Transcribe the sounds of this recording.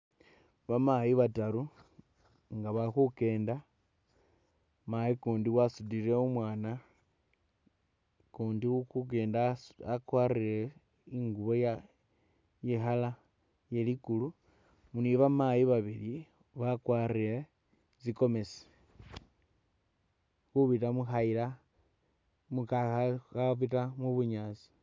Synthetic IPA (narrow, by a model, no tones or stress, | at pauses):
βamajiβataɾu | ŋɡaβaxuke̞ːnda | majikuːndiwasudiɾe̞umwaːna | kuːndiukuk̬e̞ːndaakwariɾe | iŋɡuβo̞ja | jexala | je̞likulu | muniβamajiβaβili | βakwariɾe | ziko̞me̞se̥ | kuβitamuxaila | mukaaaβitamuβuɲat͡si̥